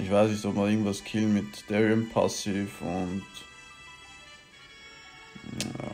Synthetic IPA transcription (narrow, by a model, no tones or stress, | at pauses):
ʔɪçv̥aɪsnɪçtɔpmanɪɡŋ̩tvaskʰɪlmɪtd̥ɛɹənpʰa̰sɪfʊnt | a̰